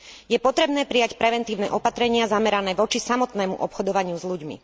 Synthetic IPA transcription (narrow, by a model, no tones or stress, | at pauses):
jɛpɔt̪ɾɛbnɛːpɾijacpɾɛʋɛnt̪iːʊnɛ̰ʔɔpat̪ɾɛɲɪazamɛɾanɛːʋɔt͡ʃisamɔt̪nɛːmṵʔɔpxɔd̪ɔʋaɲɪuzʎuɟmḭ